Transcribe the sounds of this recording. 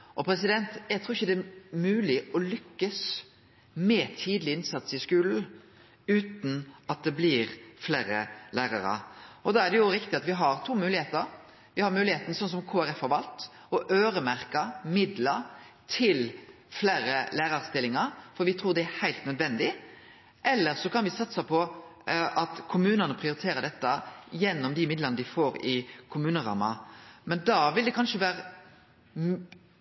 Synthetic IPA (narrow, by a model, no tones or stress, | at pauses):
ʔɔpʰɾɛsɪd̪ɛnt̪jæɪɡt̪ʰɾuːɪçːəd̪ɛæmʉːlɪɔlʏkːəs | mɛt̪ʰiːd̪lɪɪnsɑt̪sɪskʉːln̩ | ʉːt̪n̩ɑt̪̚d̪ɛblɪɾfleːɾə̰læːɾɑ̰ɾə̰ɔd̪ɑːæd̪ɛjʊɾɪkt̪ɪɑt̪ʋɪɦɑɾt̪ʰuːmʉːlɪeːt̪əɾ | ʋɪhɑɾmʉːlɪeːt̪ənəsɔns̬ɔmkʰoːæɾɛfɔɾʋɑlt̪ | ɔʔøːɾəmæɾkəmɪd̪lɑɾ | t̪ʰɪl | flæːɾəlæːɾɑɾst̪ɪlːɪŋɑɾfɔɾʋɪt̪ʰɾuːɾd̪ɛæɾhæɪlt̪nœd̪ʋɛnd̪ɪ | ʔɛlːəɾsɔkɑnʋɪsɑt̪sɑpʰɔ | ɑt̪kʰʊmʉːnənəpʰɾɪʊɾɪt̪ʰeːɾəd̪ɛt̪ːəjɛnːɔmd̪ɪmɪd̪lənəd̪ɪfoːɾɪkʰʊmʉːnəɾɑ̰ːmɑ̰mɛnd̪ɑːʋɪld̪ɛkʰɑnʂəʋæːɾə